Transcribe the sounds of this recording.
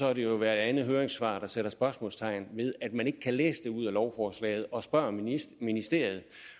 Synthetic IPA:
sɒ̽æɾe̝joʋæɐed̥ænð̩ˠɦøːɐʁeŋsʋɑ̈d̥ɑ̈seɾ̥ɐsb̥ɶɐsmɔ̰̽ːlst͡sʰɑ̈ɪ̰nʋe̝ð̞ˠæd̥̚mæne̝ɡ̥əkʰælḛːsəd̥e̝uð̰ˠælɒʊfɒːslɛ̰ːɪð̞̩ˠɒ̽sb̥ɶɐ̰minisd̥e̝ɐ̰ið̞̩ˠ

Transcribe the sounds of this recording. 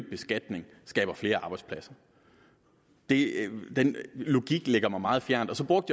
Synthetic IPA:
b̥̚b̥e̝sɡ̥æd̥ne̝ŋ | sɡ̥ɛ̰ːb̥ɐfle̝ːɐɑ̈ːb̥ɑ̈ɪdspʰlæsɐ | d̥e̝d̥enlo̝ɡ̥iɡ̥leɡ̥ɐmɑ̈ɪmɑ̈ːð̞̩ˠfjæɐ̰nd̥ɒ̽sɒ̽b̥ʁɔ̽ɡ̥̚d̥j

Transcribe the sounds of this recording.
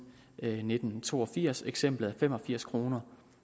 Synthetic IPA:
ne̝d̥n̩t͡sʰo̝̰ːɒ̽fiɐ̰seɡ̥sem̰b̥lð̩ˠæfem̰ɒ̽fiɐ̰skʰʁo̝ːnɐ

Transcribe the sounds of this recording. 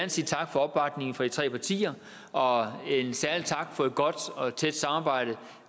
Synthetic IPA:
ænsiːt͡sʰɑ̈ɡ̥fɒ̽ɒ̽b̥bɑ̈d̥ne̝ŋn̩fɒd̥it͡sʰʁɛ̰ːpʰɑ̈t͡sʰḭːɐ | ɒ̽esæɐlit͡sʰɑ̈ɡ̥fɒ̽e̝d̥̚ɡ̥ɒ̽d̥ɒ̽t͡sʰed̥sɑ̈mɑ̈ːb̥ɑ̈ɪ̰ɾ̥ə

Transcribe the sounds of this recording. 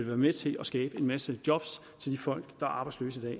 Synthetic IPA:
elʋæːɐmet͡sʰe̝lʔɒsɡ̥ɛːb̥əe̝nmæsəd̥jɒ̽b̥s | t͡sʰe̝ld̥ifɒ̽l̰ɡ̥d̥ɑ̈æɐɑ̈ːb̥ɑ̈ɪ̥slø̰ːsəid̥ɛ̰ː

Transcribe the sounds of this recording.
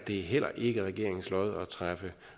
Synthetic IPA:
d̥e̝æɦel̰ɐʔe̝ɡ̥əʁaɡ̥e̝ɐ̰eŋslɒɪð̩ˠɒ̽t͡sʰʁafə

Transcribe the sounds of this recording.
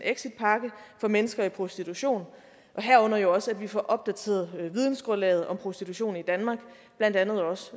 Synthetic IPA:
neɡ̥sid̥̚pʰɑ̈ɡ̥əfɒ̽menəsɡ̥ɐipʰʁo̝sd̥it͡sʰuɕo̝̰ːn | ʔɒ̽ɦæɐɔ̽n̰ɐjo̝ɒ̽sæd̥ʋifɒ̰ʔɒ̽b̥̚d̥æt͡sʰe̝̰ɐð̩ˠʋiðˠn̩sɡ̥ʁɔnlɛ̰ːð̞̩ˠɒ̽mpʰʁo̝sd̥it͡sʰuɕo̝̰ːn̩id̥ænmɑ̈ːɡ̥ | b̥læn̰d̥ænð̞̩ˠɒ̽sə

